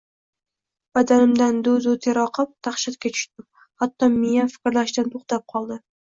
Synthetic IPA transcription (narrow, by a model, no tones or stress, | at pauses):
b̥ad̪anɪmd̪and̪ʊzʊt̪ʰeɾɒqʰɨp̚t̪ʰaχʃat̪̚kʲat͡ʃ̪ʰʊ̥ʃt̪ɪm | hat̪ːɒmijafɪ̥kʲɾlaʃt̪ant̪ʰoχt̪ap̚qʰɒlˠd̪ɪ